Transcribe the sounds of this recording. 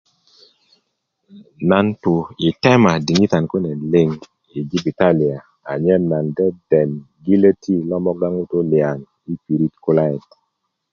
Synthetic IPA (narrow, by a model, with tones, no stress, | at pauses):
na˨ntu˨i˨tɛ˦ma˨di˨ŋi˦t̪a˨nkwe˦ne˨lɪ˦ŋ | i˨ɡi˦bi˨ta˦li˨a˨ | a˨ɲɛ˦na˨ndɛ˦dɛ˨n | ɡi˦le˦tʰi˦lɔ˦mɔ˦ɡa˦ŋu˦to˦lɪa˨n | i˦pi˨ɾi˦tkʊ˦la˦ɛ˨t